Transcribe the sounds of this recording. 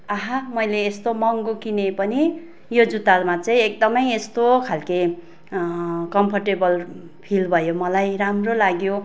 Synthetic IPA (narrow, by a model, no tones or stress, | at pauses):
ʌɦamʌjleːst̪omʌŋɡokinepʌni | jod͡zut̪armat͡sʌĩek̚d̪ʌmʌjest̪okʰalki | kʌmpʰʌrʈebʌl | pʰilbʱʌjomʌlajɾamrolaɡjo